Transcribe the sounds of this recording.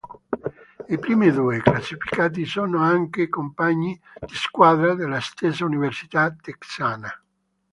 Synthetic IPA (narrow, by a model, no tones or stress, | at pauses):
ipɾiːmed̪uːeklasːifi̥kaːt̪̬isɔːnoaŋkekompaɲːid̪̥iskwaːd̪ɾad̪elːast̪esauniversi̥t̪at̪eksaːna